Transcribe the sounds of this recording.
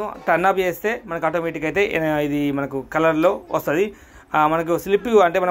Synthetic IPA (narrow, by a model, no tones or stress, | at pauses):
uʈɐnːaːpt͡ʃeːst̪e̞ːmɐnɐkaːʈoːmɛːʈikɐjt̪e̞ːʔnɐid̪imɐnɐkukɐlɐɾlo̞ːʋɐst̪ɐd̪i | mɐnɐk̬uslipːɐɳʈeːmɐnɐ